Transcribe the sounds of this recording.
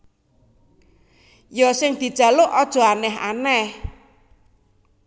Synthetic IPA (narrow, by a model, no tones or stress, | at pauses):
jɔsɪŋd̪̥i̤d̥ʒ̥ä̤lʊʔɔd̥ʒ̥ɔ̤anɛɦa̰nɛh